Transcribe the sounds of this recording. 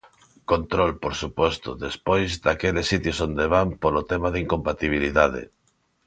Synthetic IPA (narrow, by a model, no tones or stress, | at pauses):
kont̪ɾolpoɾsupɔst̪oðespojzd̪akelesːit̪jʊsond̪eβampolot̪emaðiŋkompat̪iβ̞iliðaðḛ